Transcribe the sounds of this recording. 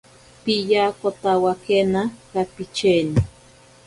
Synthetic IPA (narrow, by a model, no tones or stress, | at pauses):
pijakot̪awakenakapit͡ʃeni